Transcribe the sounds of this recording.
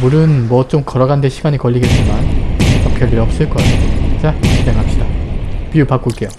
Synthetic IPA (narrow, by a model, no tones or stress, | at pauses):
muɾɯnmwʌt͡ɕomkʌɾʌɡandeɕʰiɡaɲikʌʎːiɡe̞t͡ɕ͈imant͡ɕ͈ʌkʰjʌʎːiɾʌp̚s͈ɯɭk͈ʌeot͡ɕ͈at͡ɕʰid͡ʑʰeŋɦap̚ɕ͈idapiupak͈uɭk͈e̞jo